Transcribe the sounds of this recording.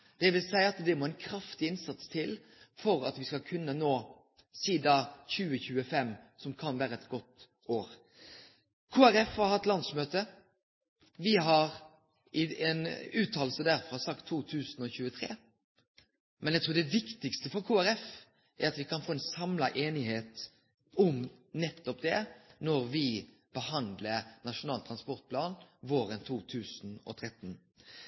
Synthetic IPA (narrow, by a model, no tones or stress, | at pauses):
d̪̥ɛʋɪlsæɪəɑt̪d̪ɛmoːæɛnkʰɾɑft̪ɪɪnsɑt̪st̪ʰɪl | fɔɾɑ̰t̪ʋɪskɑlkʰʉnːənoː | siːd̪ɑçʉːəçʉːəfɛmːsɔmkʰɑnʋæːɾəɛt̪ɡɔt̪ː | oːɾ | kʰuːæɾɛfhɑɾhɑt̪lɑnd̪smøːt̪ə | ʋɪɦɑɾ | ɪenʉːt̪ʰɑːl̩səd̪æɾfɾɑsɑkt̪ʰːuːt̪ʰʉːsnɔçʉːət̪ʰɾḛː | mʔɛnjæɪt̪ʰuːɾd̪ɛʋɪkt̪ɪkst̪əfɔɾkʰuːæɾɛf | ʔæɾɑt̪ʋɪkʰɑnfoːɛnsɑmlɑʔeːnɪheːt̪ | ɔmnɛt̪ːɔp̚d̪ɛnɔɾʋɪ | b̥əhɑnd̪lənɑʂʊnɑːlt̪ʰɾɑnspɔʁt̪̚pʰlɑːnʋoːɾənt̪ʰuːt̪ʰʉːsn̩ɔ̰t̪ʰɾɛt̪ːn̩